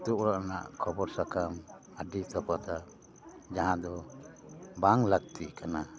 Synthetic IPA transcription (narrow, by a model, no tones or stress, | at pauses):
t̪uʔɾaʔna̰ʔkʰɔbɔɾsakam | əɖit̪ɔpat̪a | d͡ʒaɦãd̪ɔ | baŋlaɡ̚t̪ikana